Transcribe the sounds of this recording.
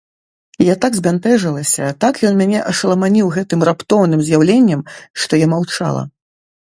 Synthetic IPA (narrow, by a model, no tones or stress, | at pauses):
jat̪aɡzʲbʲant̪ɛʐɐlˠɐsʲɐt̪akjɔnmʲanʲɛʔɐʂɐlˠɐmanʲiwɣɛt̪ɨmrapt̪ɔwnɨmzʲjawlʲenʲːɛmʂt̪ɔjamawt͡ʂa̰lˠɐ̰